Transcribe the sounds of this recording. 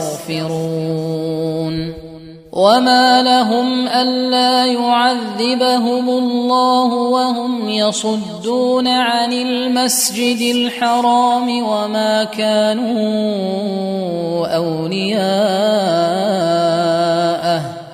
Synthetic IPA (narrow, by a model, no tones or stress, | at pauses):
ɣfɪɾuː | n | wʔamaːlaɦʊmʔanːaːjʊʕaðːɪbaɦʊmʊlˤːɑːhʊwahʊmjɑsˤʊd̪ːuːnaʕanɪlmasd͡ʒɪd̪ɪlħɑɾˤɑːmɪwamaːkaːnuː | ʔawlɪjaː | ʔa